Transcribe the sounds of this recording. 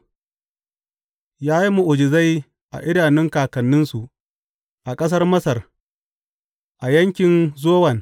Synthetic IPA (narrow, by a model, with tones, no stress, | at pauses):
jaː˦ji˦mu˨ʔʊ˨d͡ʒɪ˨za˦j | ʔa̰˨ʔɪ˦naː˨nɪ˦ŋkaː˨kɐ˨nːɪ˦nsu˨ | ʔa˨kʼɐ˦s̬ɐ˦rmɐ˦sɐ˨r | ʔa˨jɐ˦ŋkʲɪ˨nzoː˦wɐ˨n